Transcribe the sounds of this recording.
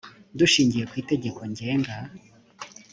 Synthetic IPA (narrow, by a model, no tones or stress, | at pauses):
duʃiːɲɟije̞kwiːte̞ɟe̞ko̞ɲɟe̞ːŋɡa